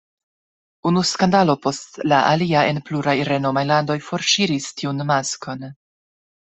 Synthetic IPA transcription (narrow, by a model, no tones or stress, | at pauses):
unuskandalo̞po̞stlaʔaliae̞npluɾajɾe̞no̞majlando̞jfo̞ɾʃiɾistʰiunmasko̞n